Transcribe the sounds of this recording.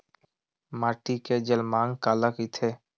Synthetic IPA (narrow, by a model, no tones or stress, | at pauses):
maːʈiked͡ʒəlmãːŋɡkaːləkit̪ʰe